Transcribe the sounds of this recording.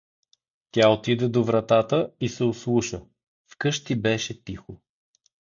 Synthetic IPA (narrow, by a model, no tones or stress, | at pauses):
t̪ʲjaot̪id̪ɛd̪ovɾɐt̪at̪əisɛʊslˠuʃə | fkɤʃt̪ibɛʃɛt̪ixo